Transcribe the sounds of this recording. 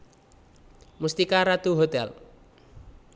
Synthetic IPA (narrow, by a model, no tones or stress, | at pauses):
must̪ikaɾat̪uɦot̪ɛl